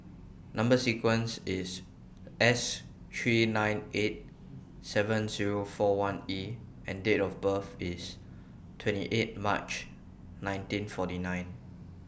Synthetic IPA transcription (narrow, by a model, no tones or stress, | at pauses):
nãmbəsikwə̃nsis | ʔɛs | tɹinãɪ̃net̚ | sɛvə̃nziɹofɔwãni | ɛ̃ndetɔfbəfis | tʰwɛ̃ntḭʔet̚mat͡ʃ | nãj̃ntĩnfɔtinãɪ̃n